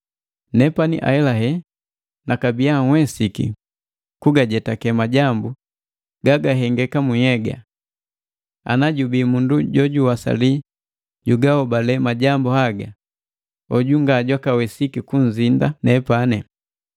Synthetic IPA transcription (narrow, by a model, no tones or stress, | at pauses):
nɛpanḭʔa̰ɛlaɦɛ | nakabijaŋ̩wɛsikḭ | kuɡaɟɛtakɛmaɟambu | ɡaɡaɦɛŋɡɛkamujɛɡa̰ | a̰naɟubimunduɟɔɟuwasa̰li | ɟuɡahɔbalɛmaɟambuhaɡa | ɔɟuŋɡaɟwakawɛsikikuɲ̩zindanɛpanɛ